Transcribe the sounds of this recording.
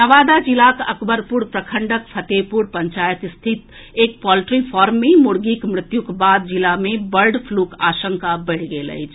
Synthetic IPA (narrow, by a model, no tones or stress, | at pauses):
nəʋad̪ad͡ʒilakəkbəɾpuɾpɾəkʰəɳɖəkpʰət̪epuɾpəɲt͡ʃajət̪st̪ʰit̪ | ek̚pɔlʈɾipʰɔɾmːemuɽɡikmɾɪt̪jukbad̪̚d͡ʒilamebəɾɖpʰlukaʃəŋkabəɪɽ̤ɡelə̰jt͡ʃʰ